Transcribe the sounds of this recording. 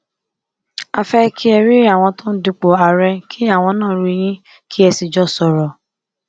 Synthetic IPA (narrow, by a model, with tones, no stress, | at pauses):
a˧fɛ˦kʰi˦ɛ˧ɾi˦a˦˨w̃ɔ̃˧tõ˦n̩˦du˧k͡po˨a˨ɾɛ˧kʰi˦a˦˨w̃ɔ̃˧nãː˦˨˦ɾi˧j̃ĩ˦ | kʰi˦ɛ˧si˧˨d͡ʒɔ˦sɔ˨ɾɔ˨